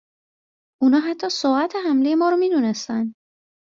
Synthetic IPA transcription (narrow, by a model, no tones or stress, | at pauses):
ʔunɒːɦæt̪ʰːɒːsoʔæt̪ʰeɦæmle̞je̞mɒːɾomiːd̪uːnest̪ænd̪